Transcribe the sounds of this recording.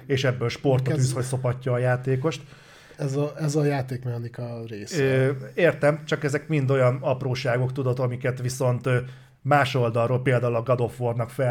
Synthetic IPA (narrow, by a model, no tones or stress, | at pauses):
eːʃɛbːøːlʃpo̞rt̪oysho̞cso̞pɒcːɒːjaːt̪eːko̞ʃt̪ | ɛzɛzɒjaːt̪eːkmɛhɒnikɒreːsøeːrt̪ɛmt͡ʃɒkɛzɛkmind̪o̞jɒnɒproːʃaːɡo̞kt̪ud̪o̞t̪ɒmikɛt̪ʋiso̞nt̪ø | maːʃo̞ld̪ɒrːoːlpeːld̪aːulɒɡɒd̪o̞fːornɒkfɛ